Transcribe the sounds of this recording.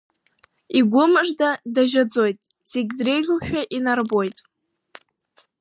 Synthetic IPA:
iɡʷʊmɨʐdadaʒad͡zo̞jtʼ | z̥eɡʲdre̞jɮʲuʃᶣaʔinarbo̞jtʼ

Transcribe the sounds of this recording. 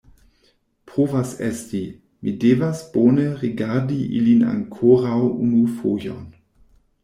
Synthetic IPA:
pʁoːvasɛsti | mʔideːvasb̥oːnəʁiɡaʁdiʔḭlina̰ŋkʰoːʁawunufoːjo̰n

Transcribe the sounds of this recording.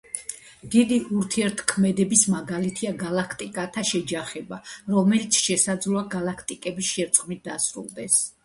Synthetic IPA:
d̪̥id̪iʔuɾt̪ʰiɛɾt̪ʰkʰmɛd̪ɛbismaɡalit̪ʰiaɡalˠakʰt̪ʼikʼat̪ʰaʃɛd͡ʒaχɛbaɾɔmɛlit̪sʰʃɛsad̪zlˠɔaɡalˠakʰt̪ʼikʼɛbisʃɛɾt̪sʼʁmit̪̚d̪asɾṵlˠd̪ɛs

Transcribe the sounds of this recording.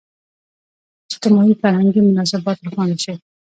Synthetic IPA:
ɪʃt̪ɪmɑifaɾhaŋɡimʊnɑsɪbɑt̪ɾxwɑnd̪aʃe

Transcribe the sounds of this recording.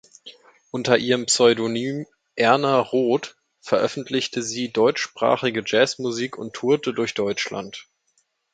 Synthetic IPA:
ʔʊntɐʔiːʁəmpsɔʏdonyːm | ʔɛɐnaʁoːt | fɛɐʔœfn̩tʰlɪçtəziːdɔʏt͡ʃʃpʁ̥a̰ːχɪɡəd͡ʒɛːsmuziːkʰʊntʰːuɐtədʊɐçd̥ɔʏt͡ʃla̰nt

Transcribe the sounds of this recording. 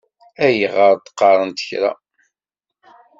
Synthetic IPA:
æjəʁəɾˤt̪ə̥qːɑɾˤənt̪ə̥çɾæ̰

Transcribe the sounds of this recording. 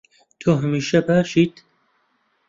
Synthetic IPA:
t̪ʰoɦæmiːʃɛpæʃiːd̪

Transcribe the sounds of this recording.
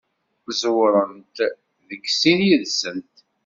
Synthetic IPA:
zwɾˤənt̪ | ðəɡsinjəðsənt̪

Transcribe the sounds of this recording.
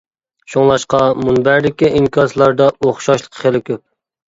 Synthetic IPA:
ʃoŋlˠɑʃqɑmunbæɾd̪ɪkʲiiŋkʲʰɑzlˠɑɾd̪ɑoχʃɑʃlˠə̥qʰχelɪkʲʰøp̚

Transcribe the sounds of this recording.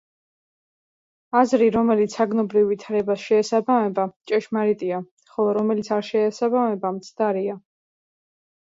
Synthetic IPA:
azɾiɾɔmɛlit̪sʰaɡnɔbɾivːit̪ʰaɾɛbasʃɛːsabamɛbat͡ʃʼɛʃmaɾit̪ʼia | χɔlˠɔɾɔmɛlitsʰaɾʃɛːsabamɛbamt̪sʰd̪aɾia

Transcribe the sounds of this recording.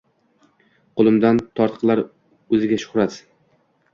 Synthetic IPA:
qʰolˠɪmd̪ant̪ʰɒɾt̪qʰlˠaɾ | ɵzɪɡʲaʃʊ̥χɾat̪

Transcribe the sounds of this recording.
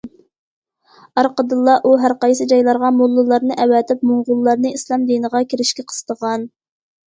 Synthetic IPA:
ɑɾqəd̪ɨlˠːɑʔuɦæɾqɑjsɨd͡ʒɑjlˠɑɾʁɑmulˠːɨlˠɑɾnɨʔɛwɛt̪ʰɪpmoɴʁʊlˠːɑɾnɨislˠɑmd̪inəʁɑkʲʰiɾɪʃkʲɪqʰə̥z̥t̪əʁɑn

